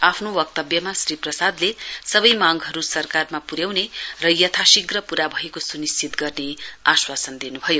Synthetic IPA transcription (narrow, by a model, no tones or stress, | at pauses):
apʰnowʌk̚t̪ʌbjʌmasriprʌsad̪lesʌbʌjmaŋɡɦʌɾusʌrkarmapuɾjawnerʌjʌt̪ʰasiɡrʌpuɾabʱʌekosunist͡ʃit̪ɡʌrneaswasʌnd̪inubʱʌjo